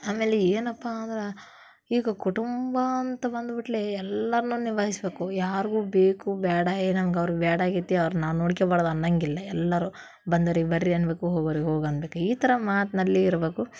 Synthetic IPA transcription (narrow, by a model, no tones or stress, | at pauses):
aːmeːleeːnɐpːaːnd̪ɐɾe | iːɡɐkuʈumbɐːnt̪ɐbɐnd̪biʈleɛlːɐɾɐnuːniʋaːɦisbe̞ːkujaːɾiɡuːbeːkubaːɽɐeːnɐŋɡɐʋɐɾubaːɽaːɡit̪ːɐʋɐɾunaːʋnoːɽikebaːɽd̪ɐnːɐŋɡilːɐɛlːɐɾu | bɐnd̪ɐɾibɐɾːiɐnbe̞ːkuɦoːɡɐʋɾikeɦoːɡɐnbeːkuiːt̪ɐɾɐmaːt̪ɐnɐlːiːɾbe̞ːku